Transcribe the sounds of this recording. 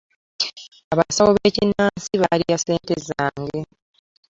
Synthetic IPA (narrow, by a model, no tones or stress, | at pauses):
aβasawoβeːcinːaːnsiβalijase̞ːntezaːŋɡe̞